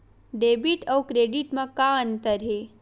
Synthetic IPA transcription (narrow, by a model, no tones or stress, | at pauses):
ɖebiʈawkɾeɖiʈmãkaənt̪əɾɦe